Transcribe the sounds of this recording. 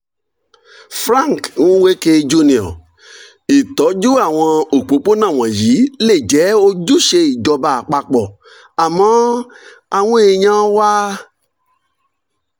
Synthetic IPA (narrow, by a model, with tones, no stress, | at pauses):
fɾã˦˨ŋ˨kñ̩˦we˦ke˧d͡ʒu˧nĩ˨ɔ̰̃˨ | i˨tɔ˨˦d͡ʒu˦a˦˨w̃ɔ̃˧o˨k͡po˨˦k͡po˦nã˦˨w̃ɔ̃˨ji˨˦le˦˨d͡ʒɛ˨˦o˧d͡ʒu˦ʃe˧i˨d͡ʒɔ˧ba˧a˨k͡pa˧k͡pɔ˨ | a˨mã˨˦ | a˧w̃ũ˦e˧ɲã˦wa˦